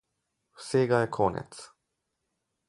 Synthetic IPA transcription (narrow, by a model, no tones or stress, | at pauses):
ɸɯ̟̥seːɡaekʰoːnḛt͡sɨ̥